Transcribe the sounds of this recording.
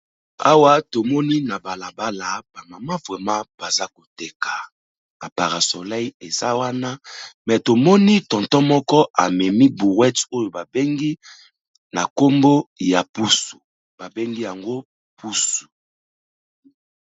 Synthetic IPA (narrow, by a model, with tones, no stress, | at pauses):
a˦wa˦to˨mɔ˦ni˦na˨ba˨la˨ba˦la˨b̥a˨ŋɡa˨ma˦vwɛ˨ma˦b̥a˨za˦ko˨te˨ka˨ | a˨pa˨ʁa˨so˨la˦i˦e˨za˦wa˦na˦mɛ˨to˨mɔ˦ni˦tɔ̃˨ntɔ˦mɔ˦kɔ˦ʔa˨mɛ˨mi˦bu˨ʁwɛ˦to˦jo˨ba˨be˦ŋɡi˦ | na˨ko˦mbo˦ja˨pu˦su̥˨ | b̥a˨be˦ŋɡi˦ja˨ŋɡo˦ | pʰu˦su̥˨